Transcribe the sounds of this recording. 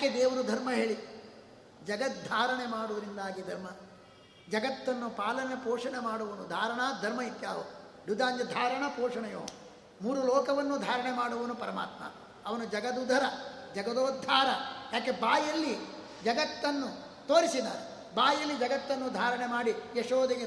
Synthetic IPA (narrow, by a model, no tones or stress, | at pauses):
jaːked̪eːʋɐɾud̪ʱɐɾmɐɦeːɭi | d͡ʒɐɡɐt̪̚d̪ʱaːɾɐɳemaːɽuʋɐɾind̪aːɡid̪ʱɐɾmɐ | d͡ʒɐɡɐt̪ːɐnːupaːlɐnepoːʂɐɳemaːɽuʋɐnud̪ʱaːɾɐɳaːd̪ʱɐɾmɐɦit̪ja̰ːɦod̪ud̪aːnjɐd̪ʱaːɾɐɳɐpoːʂɐɳɐjo̰ː | muːɾulɔːkɐʋɐnːud̪ʱaːɾɐɳemaːɽuʋɐnupɐɾɐma̰ːt̪mɐ̰ | ɐʋɐnud͡ʒɐɡɐd̪ud̪ʱɐɾɐd͡ʒɐɡɐd̪oːd̪ʱaːɾɐjaːke̞baːjɐlːi | d͡ʒɐɡɐt̪ːɐnːu | t̪oːɾisid̪a̰ːɾe | baːjɐlːid͡ʒɐɡɐt̪ːɐnːud̪ʱaːɾɐɳemaːɽijeʂoːd̪eɡe